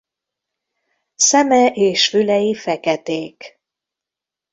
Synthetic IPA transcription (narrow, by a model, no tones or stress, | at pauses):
sɛmɛʔeːʃfylɛjifɛkɛt̪eːk